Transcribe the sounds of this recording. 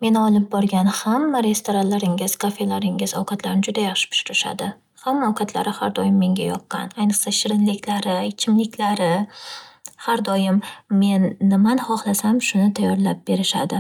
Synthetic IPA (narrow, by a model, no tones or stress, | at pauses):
me̞nɒlˠɪp̚bɒɾɡʲanhamːaɾe̞st̪ʰoɾanlaɾɪŋɪz̥kʰafe̞laɾɪŋɪz̥ɒwqʰɑt̪ʰlaɾɪnɪd͡ʒʊd̪ajaχʃɪ̥pʰʊ̥ʃɪɾɪʃa̰d̪ɪ | hamːaowqʰɑt̪ʰla̰ɾɪhaɾd̪ɒjɪmːe̞ŋɡʲajɒp̚qɑ̰najnɨqsaʃɪɾɪnlɪkʲlaɾɪɪt͡ʃʰɪmlɪkʲlaɾɪ | haɾd̪ɒjɪmːe̞nːɪmanɪhɒχlˠasamʃʊnɪt̪ʰajːɒɾlap̚b̥e̞ɾɪʃa̰d̪ɪ